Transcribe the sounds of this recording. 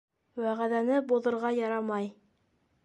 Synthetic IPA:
wæʁæðænɘbuðɤ̆ɾʁɑjɑɾɑmɑj

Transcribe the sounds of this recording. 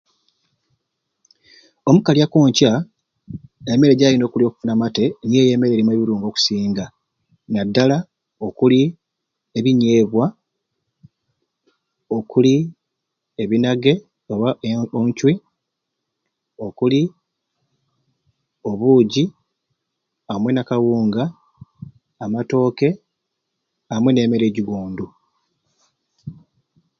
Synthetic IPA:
o̞mukaljakoːɲca | eme̞ɾe̞ɟaːjino̞ːkulio̞ːku̥funamate̞njeːje̞ːme̞ɾe̞ːɾimwe̞βiɾuːŋɡo̞ːku̥siːŋɡa | nadːala | o̞kuli | e̞βiɲe̞ːβwa | o̞kuli | eβinaɡe̞ | oβaoɲcwi | o̞kuli | o̞βuːɟi | amwe̞nakawuːŋɡa | mato̞ːke̞ | amwe̞ne̞ːme̞ɾe̞ːɟiɡuːndu

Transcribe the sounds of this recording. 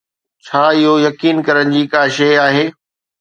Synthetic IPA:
t͡ɕʰaːɪɦojɐkiːnkɐɾəɽ̃d͡ʑiːkaːʃeaːɦeː

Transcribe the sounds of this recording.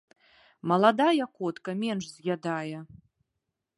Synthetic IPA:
mɐlˠad̪ajɐkɔt̪kɐmʲɛnʂzʲɣʲad̪ajɛ

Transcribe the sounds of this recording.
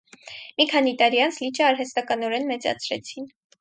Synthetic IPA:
mikʰɑnit̪ɑɾiɑnt͡sʰlit͡ʃʰəɑɾɦɛst̪ɑkɑnɔɾɛnmɛt͡sɑ̰t͡sʰɾɛ̰t͡sʰin

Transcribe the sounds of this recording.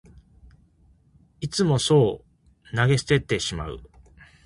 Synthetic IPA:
it͡sɨmo̞so̞ː | naɡe̞si̥t̪e̞t̪ːe̞ɕima̰ɯ̰

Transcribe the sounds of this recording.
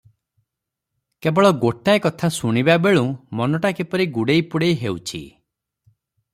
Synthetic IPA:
kebɔɭɔɡoʈaekɔt̪ʰasuɽ̃ibabeɭũmɔnɔʈakipɔɾiɡuɽejpuɽejɦewt͡ʃʰḭ

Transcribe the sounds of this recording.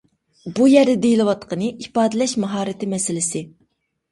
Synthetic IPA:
bujæɾd̪ɛd̪ejilˠɨwɑt̪qʰənɨʔifɑːd̪ɨlɛʃmɑɦɑːɾɪt̪ʰɪmɛsɪlɪsɪ

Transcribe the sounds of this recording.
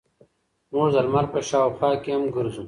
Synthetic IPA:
moːzɐlmɐɾpɐɕaːwxwaːkeɐmɡuɾusũ

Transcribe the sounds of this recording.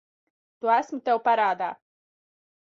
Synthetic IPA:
t̪uæsmut̪ewpaɾaːd̪aː

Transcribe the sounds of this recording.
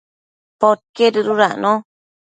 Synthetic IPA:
pot̚keɾɨɾuɾaʔno

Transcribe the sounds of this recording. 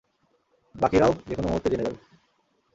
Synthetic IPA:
bakiɾaod͡ʑekonomut̪ːed͡ʑened̪al

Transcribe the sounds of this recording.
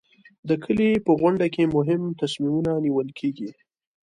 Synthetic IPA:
d̪əkʰəlipəɣwʊɳɖakemʊɦɪmt̪asmimunaniwəlkʰeɡi

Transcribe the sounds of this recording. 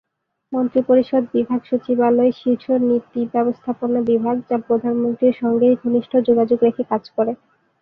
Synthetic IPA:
mɔnt̪ɾipoɾiʃod̪bibʱaɡʃot͡ɕibaloeʃiɾʃonit̪ibɛbost̪ʰaponabibʱaɡ̚d͡ʑapɾod̪ʱanmont̪ɾiɾʃɔŋɡejɡʱoniʃʈʰod͡ʑoɡad͡ʑoɡɾekʰekad͡ʑkoɾe

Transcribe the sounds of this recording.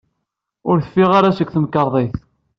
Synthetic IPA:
ʊɾθə̥fːiʁaɾaʃəkːθəmkːəɾˤðˤeθ

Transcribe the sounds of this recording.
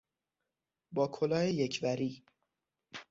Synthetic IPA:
bɒːkʰolɒːjejecʰvæɾiː

